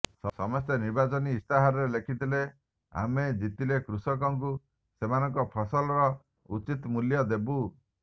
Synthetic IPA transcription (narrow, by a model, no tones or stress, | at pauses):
sɔsɔmɔst̪eniɾbat͡ʃɔniːst̪aɦaɾɔɾelekʰit̪ile | a̰med͡ʒit̪ilekɾusɔkɔŋk̬u | semanɔŋkɔpʰɔsɔlɔɾɔ | ut͡ʃit̪ɔmuljɔd̪ebu